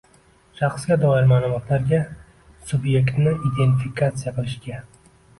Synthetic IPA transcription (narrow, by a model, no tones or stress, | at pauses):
ʃɑχsɡʲad̪ɒɪɾmalˠʊmɒt̪ʰlaɾɡʲa | sʊbje̞kt̪nɪid̪e̞nt̪ifikʰat̪sɨjaqɨlˠɪʃɡʲa